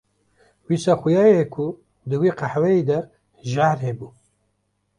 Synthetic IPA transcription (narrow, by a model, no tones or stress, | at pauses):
wiːsɑːxʊjɑːjekʷʰu | d̪ɨwiːqaħwɛjiːd̪ɛ | ʒahɾheːbuː